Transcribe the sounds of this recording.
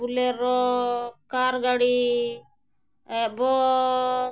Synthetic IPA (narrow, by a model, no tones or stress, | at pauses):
uleɾɔkaɾɡaɽi | bɔ